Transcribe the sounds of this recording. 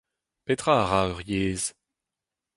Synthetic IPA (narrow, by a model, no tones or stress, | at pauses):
pet̪χʁaʁaøʁjeːz